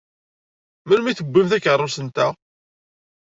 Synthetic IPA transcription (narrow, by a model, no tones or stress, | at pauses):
məlmiθəɡʷːimθækːərˤːʊsənt̪æ